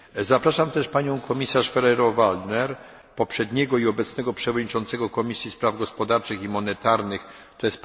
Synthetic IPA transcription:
zapɾaʂamt̪ɛʂpaɲɔ̃w̃kʰɔmʲisaʂfɛɾɛɾɔvald̪nɛɾ | pɔpʂɛd̪ɲɛɡɔiɔbɛt̪snɛɡɔpʂɛvɔd̪ɲit͡ʂɔnt̪sɛɡɔkɔmʲisʲjispɾavɡɔspɔd̪aɾt͡ʂɘximɔnɛt̪aɾnɘx | t̪ɔjɛst̪

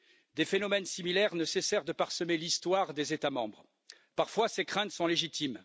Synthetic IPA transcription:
d̪efenɔmɛnsimilɛʁnəsesɛʁd̪əpaʁsəmelist̪waʁd̪ezet̪amɑ̃bʁ | paʁfwasekχɛ̃t̪sɔ̃leʒit̪im

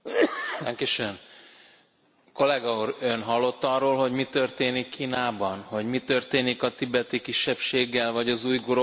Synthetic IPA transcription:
ɛŋkiʃøn | ko̞lɛɡɒuɾønɦɒlːo̞t̪ːɒrːoːlho̞ɟmit̪ø̞rt̪eːnikːiːnaːbɒnho̞ɟmit̪ø̞rt̪eːnikɒt̪ibɛt̪ikiʃːɛpʃeːɡːɛlvɒɟɒzuːjɡoɾo

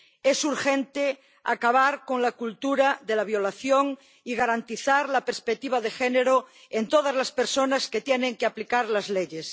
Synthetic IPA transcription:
esuɾxẽnt̪e | akaβ̞aɾkoŋlakult̪uɾaðelaβ̞jo̞laθjoŋ | iɣaɾant̪iθaɾlapeɾspek̚t̪iβaðexeneɾo | ent̪oð̞azlaspeɾsonasket̪jeneŋkeaplikaɾlazleʎes

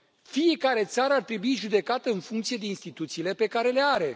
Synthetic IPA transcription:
fije̞kaɾe̞t̪saɾəart̪ɾe̞buiʒud̪e̞kat̪əɨnfuŋkt̪sijed̪e̞inst̪it̪ut̪siːle̞pe̞kaɾe̞le̞aɾe̞

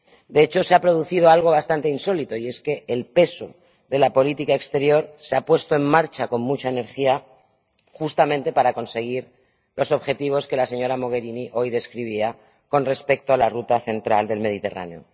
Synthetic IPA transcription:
d̪e̞et͡ʃo̞seapɾo̞ð̞uθið̞o̞alɣ̞o̞β̞ast̪ant̪einso̞lit̪o̞ie̞ske̞ːlpe̞so̰ | ðe̞lapo̞lit̪ikae̞kst̪e̞ɾjo̞ɾseapwe̞st̪oe̞mːmaɾt͡ʃako̞mmut͡ʃaene̞ɾxia | xust̪amẽnt̪e̞paɾako̞nse̞ɣ̞iɾ | lo̞so̞βxe̞t̪iβ̞o̞ske̞lase̞ɲo̞ɾamo̞ɣ̞e̞ɾiniʔo̞jðe̞skɾiβ̞ia | ko̞nre̞spe̞k̚t̪oalarut̪aθe̞nt̪ɾald̪e̞lme̞ð̞it̪e̞̰ra̰neo̞̰

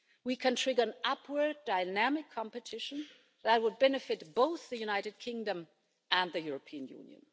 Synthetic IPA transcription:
wikʰɨ̃ntʰɹ̥ɪɡə˞ɨ̃nʌpʰwə˞daɪnæmɪkʰːɑ̃mpɨtʰɪʃə̃n̩ | ðət̚wəd̚bɛnɨfɨt̚b̥oʊθðɨjʉñaɪɾɨd̚kʰɪ̃ŋdə̃m | ʔə̃nðɨjʊɹəpʰiɨ̃njṵ̃njɨ̰̃n

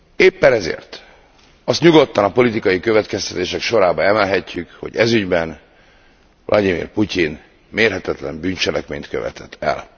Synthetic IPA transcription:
eːpːɛnɛzḛːrt̪ | ɒst̪ɲuɡo̞t̪ːɒnɒpo̞lit̪ikɒjikø̞vɛt̪kɛst̪ɛt̪eːʃɛkʃo̞ɾaːbɒɛmɛlɦɛcːykho̞̰ɟɛzyɟbɛn | vlʔɒ̰d̪imḭːrpucin | meːrɦɛt̪ɛt̪lɛ̰mbyːnt͡ʃɛlɛkmḛːɲt̪køvɛ̰t̪ʰɛt̪ʰːɛ̰l

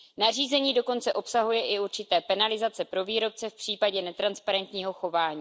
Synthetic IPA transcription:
nar̝iːzɛɲiːdo̞ko̞nt͡sɛʔo̞psaɦujɛʔɪuɾt͡ʃɪt̪ɛːpɛnalɪzat͡sɛpɾo̞viːɾo̞p̚t͡sɛfpr̝̥iːpaɟɛnɛt̪ɾanspaɾɛnt̪ɲiːɦo̞xo̞vaːɲiː

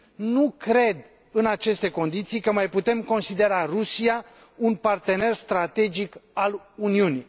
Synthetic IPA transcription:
nukɾe̞d̪ | ɨnat͡ʃe̞st̪e̞ko̞nd̪it̪sijkəmajput̪e̞mko̞nsid̪e̞ɾarusija | unpart̪e̞ne̞rst̪ɾat̪e̞d͡ʒikal | uniuni

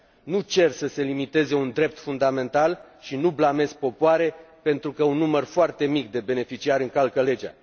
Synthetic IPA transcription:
nut͡ʃe̞rsəse̞limit̪e̞ze̞und̪ɾe̞p̚t̪fund̪ame̞nt̪al | ʃinublame̞zk̚po̞poaɾe̞pe̞nt̪ɾukəunːumərfoart̪e̞mikd̪e̞be̞ne̞fit͡ʃiaɾɨŋkalkəle̞d͡ʒa̰

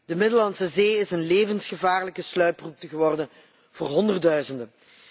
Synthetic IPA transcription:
d̥əmɪdəlɑnsəzeːɪsənleːvənsχəvaːrləkəslœɥprup̚təɣəʋɔrdən | v̥ʊːrɦɔndərdœɥzəndən

